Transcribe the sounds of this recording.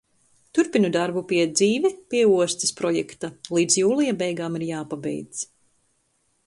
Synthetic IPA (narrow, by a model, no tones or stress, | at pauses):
t̪uɾpinud̪aɾbupiɛd̪ziːvɛpʲiɛuɔst̪i̥spɾɔjɛkt̪alˠiːd̪zjuːlˠijabɛjɡaːmiɾjaːpabɛ̰j̪